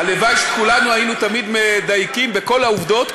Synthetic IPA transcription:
alevajʃkulanuainut̪amid̪med̪ajkimbe̞ko̞lauvd̪o̞t̪

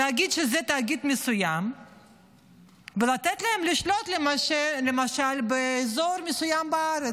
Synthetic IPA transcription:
aaɡid̪ʃezet̪aɡid̪mesujam | velat̪et̪laemliʃlo̞t̪lemaelemaʃalbeːzoɾmesujambaaɾe

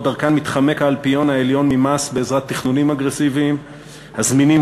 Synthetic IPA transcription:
daʁkanmit̪χame̞kaːlpijo̞naeljo̞nmimasbe̞ːzʁat̪ːiχnunimaɡʁesiviːm | hazminim

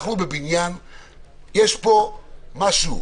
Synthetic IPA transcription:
χubebinjan | jeʃpo̞maʃu

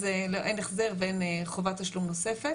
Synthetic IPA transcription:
zeloʔejneχzeʁbenχovataʃlumnosefe

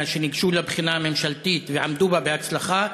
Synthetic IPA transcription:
ʃeniɡʃulabχinaːme̞mʃalt̪it̪veʕamd̪ubabeat͡slaχa

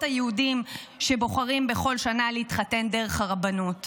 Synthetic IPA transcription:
tajehudimʃe̞bo̞χaʁimbe̞χo̞lʃanaleitχate̞ndeʁeχaʁabanut

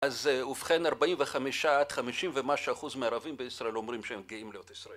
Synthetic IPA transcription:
azufχenaʁbaimveχamiʃaad̪̥χamiʃimvemaʃaaχuzmeaʁavimbeisʁaelo̞mʁimʃeemɡiimlejot̪isʁae

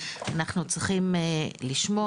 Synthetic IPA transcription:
anaχnut͡sʁiχimeliʃmo

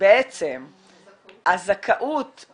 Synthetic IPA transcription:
beet͡sem | ʔazakʰaʔut̪

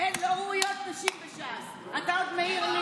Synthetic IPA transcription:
enloujot̪̚naʃimbeʃas | at̪aod̪meiʁn

